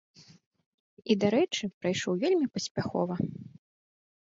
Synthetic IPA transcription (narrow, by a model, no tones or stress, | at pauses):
id̪aɾɛt͡ʂɨpɾajʂɔwvʲelʲmʲipɐsʲpʲaxɔ̰vɐ